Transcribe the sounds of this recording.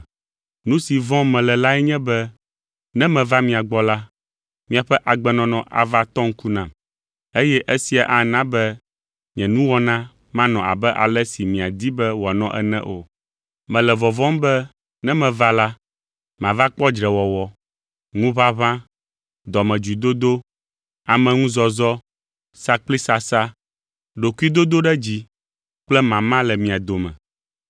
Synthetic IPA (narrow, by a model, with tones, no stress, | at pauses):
nũ˦si˨vɔ̃˦mɛ̃˨lɛ˨la˦ɛ˦ɲɛ̃˦bɛ˦ | nɛ̃˦mɛ̃˨va˦mĩ˨a˨ɡ͡bɔ˦la˦ | mĩ˨a˨ɸɛ˦ʔa˨ɡ͡bɛ˦˨nɔ̃˨nɔ̃˨ʔa̰˨va˦t̪ɔ˦ŋ̩˦ku˦nã˨m | e˦jɛ˦ʔe˦si˨a˨ʔa˨nã˦bɛ˦ | ɲɛ̃˨nũ˦wɔ˦nã˦ | mã˦nɔ̃˨a̰˨bɛ˦ʔa̰˨lɛ˦si˨mĩ˨a˨d̪i˦bɛ˦wɔ˨a˨nɔ̰̃˦ʔɛ̰˦nɛ̰̃˦ʔo˨ | mɛ̃˨lɛ˨vɔ˨vɔ̃˦mbɛ˦ | nɛ̃˦mɛ̃˨va˦la˦ | mã˨va˦k͡pɔ˦d͡ʒɾɛ˨wɔ˨wɔ˨ | ŋũ˦βa˦βã˦ | d̪ɔ˨mɛ̃˨d͡ʒu˨d̪o˦d̪o˦ | a˨mɛ̃˨ŋũ˦zɔ˨zɔ˦ | sa˦k͡pli˦sa˦sa˦ | ɖo˨ku˦i˦d̪o˦d̪o˦ɖɛ˦d͡ʑi˦ | k͡plɛ˦mã˨mã˦lɛ˨mĩ˨a˨d̪o˨mɛ̰̃˨